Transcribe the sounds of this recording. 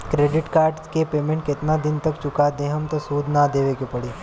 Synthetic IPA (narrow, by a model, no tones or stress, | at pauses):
kɾeːɖiʈkaːɾɖkepeːmẽɳʈ̚ket̪nad̪int̪əkt͡ʃukad̪eɦəmt̪əsuːd̪ʱnad̪eʋekopəɽe